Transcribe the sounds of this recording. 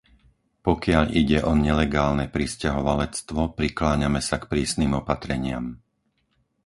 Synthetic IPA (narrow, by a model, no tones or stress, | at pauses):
pɔkɪaʎʔiɟɛʔɔɲɛlɛɡaːlnɛpɾiscaɦɔʋalɛt͡st̪ʋɔpɾiklaːɲamɛsakpɾiːsniːmɔpat̪ɾɛɲɪa̰m